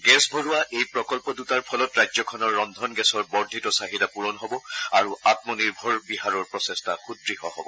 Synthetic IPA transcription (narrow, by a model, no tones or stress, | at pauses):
ɡɛsbʱɔɹuaʔejpɹɔkɔlpɔdutaɹpʰɔlɔtɹajzɔkʰɔnɔɹːɔnd̪ʱɔnɡɛsɔɹbɔɹdʱitɔsaɦidapuɹɔnɦɔbɔaɹuatmɔniɹbʱɔɹbiɦaɹɔɹpɹɔsɛstʰaxudɹiɦɔɦɔbɔ